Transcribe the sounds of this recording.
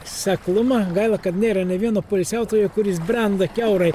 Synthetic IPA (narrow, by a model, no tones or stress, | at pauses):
sʲɛklˠʊmɐɡɐɪlˠɐkɐt̪nʲeːɾɐnʲɛʋʲiɛnoːpolʲsʲæˑʊt̪oːjokʊɾʲɪsbʲɾʲɛnd̪ɐkʲɛʊɾɐɪ